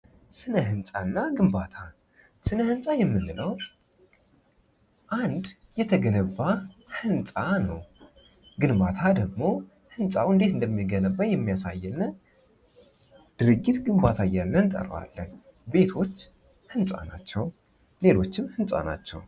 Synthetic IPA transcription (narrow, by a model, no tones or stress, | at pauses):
sɨnəɦɨnsʼanːaɡɨmbat̪ʰa | sɨnəhɨnsʼajɛmːɨnːɨləw | ʔand̪ | jɛt̪ʰəɡənəβːahɨnsʼanə̰w | ɡɨnbat̪ʰad̪əɡmo̞ | hɨnsʼawɨnd̪eɨnd̪əmːiɡənəbːajɛmːijasa̰jːɛnːə | d̪̥ɨɾɨɡːit̪ɡɨmbat̪ʰajanːəɨnt̪ʼə̰ra̰lːən | be̞t̪ʰo̞t͡ʃː | hɨnsʼa̰na̰t͡ʃːɛw | le̞lo̞t͡ʃːɪmhɨnsʼa̰na̰t͡ʃːɛ̰w